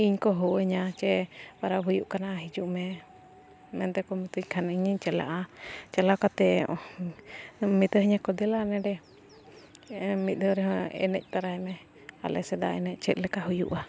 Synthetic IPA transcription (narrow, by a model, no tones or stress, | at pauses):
iɲkɔɦɔəɲat͡ʃɛwaɾaɦujuʔkanaʔaɦid͡ʒuʔmɛ | mɛnt̪ɛkɔmit̪uckʰaniɲiɲt͡ʃɛla̰ʔat͡ʃɛlakat̪ɛ | mit̪əɦiɲakɔd̪ɛlanɛɖɛ | mit̪̚ɔɾɛɦɔɛ̰nɛc̚ˀt̪aɾaɛmɛ | a̰lɛ̰sɛd̪a̰ɛnɛc̚ˀt͡ʃɛt̪̚ˀlɛkaɦujṵʔa